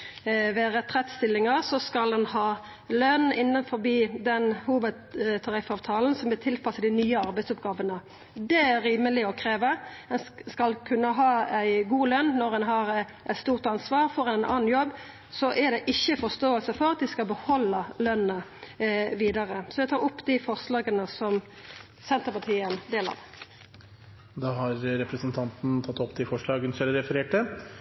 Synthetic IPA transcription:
ʋeːɾət̪ʰʁɛt̪ːst̪ɪlːɪŋɑʁsɔskɑld̪ɛnhɑː | lœnɪnːənfɔbiːd̪ɛnhuːʋəd̪t̪ʰɑɾɪfɑːʋt̪ʰɑːln̩sɔmʋɪlt̪ʰɪlpʰɑsəd̪ɪnyːəɑɾbæɪsʊpɡɑːʋənə | d̪ɛæɾiːməlɪɔkʰʁeːʋəɛnskɑlkʰʉnːəɦɑːæɪɡuːlœnːɔʁɛnɦɑʁ | ʔɛt̪st̪uːʁt̪ɑnsʋɑːʁfɔʁɛnʔɑ̰ːn̩jɔbː | sɔʔæʁd̪ɛʔɪçːəfɔʁst̪oːəlsəfɔɾɑt̪̚d̪ɪskɑlbəhɔlːəlœnə | ʋiːd̪ɑʁəsɔʋɛt̪ʰɑːʁʊpːd̪ɪfɔʁslɑːɡənəsɔm | sɛnt̪əpɑt̪ʰiːənd̪eːlɑ̰ʁ | d̪ɑːɦɑɾɾɛpɾəsnt̪ʰɑnt̪n̩t̪ʰɑt̪ːɔpt̪ʰɪfɔʂɭɑːɡənsɛləɾɛfəɾeːʈə

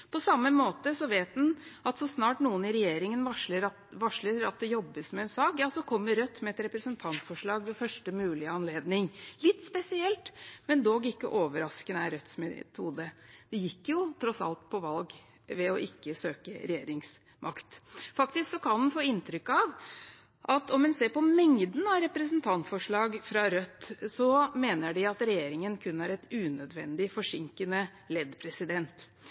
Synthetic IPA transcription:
pʰɔsɑmːəmoːt̪əsɔʋeːt̪d̪nɑt̪sɔsnɑːʈnuːənɪɾɛjeːɾɪŋənʋɑʂləɾɑ | ʋɑʂɭəɾɑt̪̚d̪ɛjɔbːəsmɛɛnsɑːkjɑːsɔkʰɔmːəɾœt̪ːmɛɛt̪ɾɛpɾəsənt̪ʰɑnt̪fɔʂɭɑːɡʋɛfœʂʈəmʉːlɪəɑnleːd̪nɪŋlɪt̪ːspɛsɪɛlt̪mɛnd̪oɡɪkːə̰ʔoːʋəɾɑskənəæɾœt̪smɛt̪ʰuːd̪əd̪̥ɛjɪkːjʊt̪ʰɾɔsɑ̰lt̪pʰɔʋɑlɡ | ʋɛɔʔɪkːəsøːkə̰ɾɛjeːɾɪŋs | mʔɑkt̪fɑkt̪ɪsksɔkʰɑnhʉnfoːɪnt̪ʰɾʏkɑʋ | ʔɑt̪ɔmɛnseːɾpɔmɛŋd̪n̩ɑɾɛpɾəs̬nt̪ʰɑnt̪fɔʂɭɑːɡfɾɑɾœt̪ːsɔmeːnəɖɪɑt̪ɾɛjeːɾɪŋənkʰʉnːæɾɛt̪ʉːnœd̪ʋɛnd̪ɪfɔʂɪŋkənə | lɛd̪pʰɾɛsɪd̪ɛnt̪

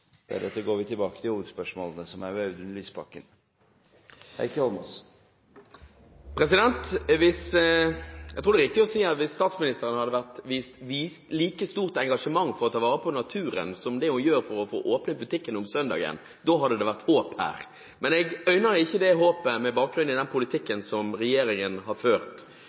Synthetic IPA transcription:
d̪̥æ̰ɖ̪ɛt̪ːəɡoːʋɪt̪ʰɪlbɑːkət̪ʰɪluːʋəd̪spœʂmoːlənəsɔmæɾʋœʉd̪ʉnlyːspʰɑkːən | hæ̰ɪkʰɑlmɔs | pʰɾɛsɪd̪ɛnt̪ʋɪs | ɛɡt̪ʰɾuːɾd̪ɛɾɪkt̪ɪɔsiːɑt̪ʋɪsːt̪ɑːt̪smɪnɪst̪əɾənəhɑd̪ːəʋæʁt̪ʋiːst̪ʋiːst̪liːkəst̪uːʁt̪ɛŋɡɑʂəmɑŋːfɔʁɔt̪ʰɑːʋɑːʁəpʰɔnɑt̪ʰʉːɾə̰nsɔmd̪ɛʊjøːɾfɔɾɔfo̰ːʔoːpnəbʉt̪ʰɪkːənʊmsœnd̪ɑ̰ːɡə̰n | d̪oːɦɑd̪əd̪ɛʋæʁt̪hoːphæ̰ːɾ | mɛnɛɡœʏnəɾɪçːəd̪ɛɦoːpəmɛbɑːk̚ɡɾʉnɪd̪ɛnpʰʊlɪt̪ʰɪkːənsɔmɾɛjeːɾɪŋənhɑføːʁt̪

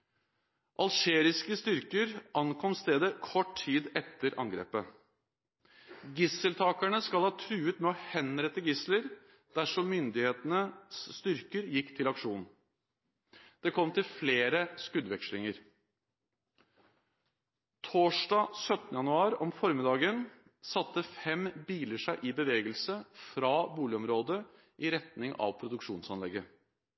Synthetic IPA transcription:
ʔɑlʃeːɾɪskəst̪ʏɾkəɾʔɑnkʰɔmst̪eːd̪əkʰɔʈʰiːd̪ɛt̪ːəɾʔɑ̰ŋɡɾḛːpə | ɡɪsəlt̪ʰɑːkæɳəskɑlhɑːt̪ʰʉːət̪mɛɔhɛnɾɛt̪ːəɡɪsləɾ | d̪̥æʂɔmːʏnd̪ɪheːt̪ənəsːt̪ʏɾkəɾjɪkːt̪ʰɪlɑkʂuːnn̩ | d̪̥ɛkʰɔmt̪ɪlfleːɾəskʉd̪ʋɛkʂlɪŋəɾ | t̪ʰoːʂɖɑːsœt̪nəjɑnʉɑːɾɔmfɔɾmɪd̪ɑːɡən | sɑt̪ːəfɛmbiːləʂæɪʔɪbəʋeːɡəlsəfɾɑːbuːlɪɔmɾoːd̪ə | ʔɪɾɛt̪nɪŋʔɑ̰ʋpʰɾʊd̪ʉkʂuːnsɑnlɛɡːə

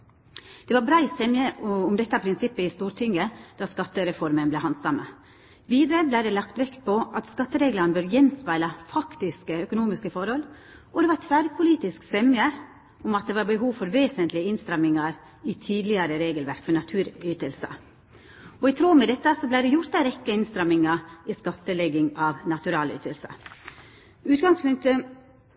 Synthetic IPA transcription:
d̪̥ɛʋɑɾbɾɑːɪsɛmjəʊmd̪ɛt̪ːɑpʰɾɪnsɪpːəɪst̪uːɾt̪ʰʏŋːəd̪̥ɑːskɑt̪ːəɾɛfɔɾmənblɛhɑnsɑmə̰ | ʋiːd̪əɾəblæɪd̪ɛlɑkt̪ʋɛkt̪̚pʰɔʔɑt̪skɑt̪ːəɾeːɡlɑɾnəbœːɾjɛnspæɪləfɑkt̪ɪskəœkʊnuːmɪskəfɔɾhɔl | ʔɔd̪ɛʋɑt̪ʰʋæːɾpʰʊliːt̪ɪsksɛmjə | ʊmɑt̪̚d̪ɛʋɑɾbəɦuːʋfɔɾʋeːsənt̪lɪəɪnst̪ɾɑmːɪŋɑɾ | ɪt̪ʰiːd̪lɪəɾəɾeːɡəlʋæɾkfɔnɑt̪ʰʉːɾyːt̪əlsə̰ | ɔɪt̪ʰɾoːmɛd̪ɛt̪ːəsɔblæɪd̪ɛjʊɾt̪æɾɛkːəɪnst̪ɾɑmɪŋɑɪskɑt̪ːəlɛɡɪŋɑʋnɑt̪ʉɾɑːly̰ːt̪əlsə̰ | ʉːt̪ɡɑŋspʉŋk̚t̪ə

